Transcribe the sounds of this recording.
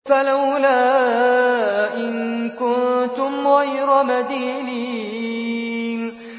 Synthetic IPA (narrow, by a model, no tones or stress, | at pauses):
falawlaː | ʔɪnkʊnt̪ʊmɣajɾamad̪iːni | n